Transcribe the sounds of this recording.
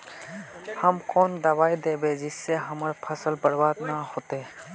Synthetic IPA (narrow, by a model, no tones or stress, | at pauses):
hɐmkoːnd̪ɐwaːid̪eːbeːd͡ʒɪsːeɦɐməɾpʰɐsəlbɐɽbaːd̪nahoːt̪eː